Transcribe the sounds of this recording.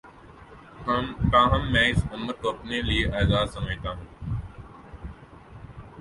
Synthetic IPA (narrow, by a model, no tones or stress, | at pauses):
t̪aːɦəmːɛ̃ːɪsʊməɾkoːɐpneːlieʔaːzaːd̪səmẽːt̪aːɦũː